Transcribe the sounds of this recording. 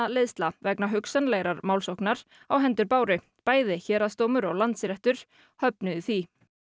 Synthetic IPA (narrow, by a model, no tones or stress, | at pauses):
alɪðst̪lavɛknaɦʏksanleːɣɾaɾmaːwlsowknaɾ̥ | awɦɛnt̪ʏɾpaːwɾɪ | paːjðɪçɛːɾast̪oːwmʏɾɔɣlant̪sɾɛht̪ʏɾ̥ | hœpnʏðʏθi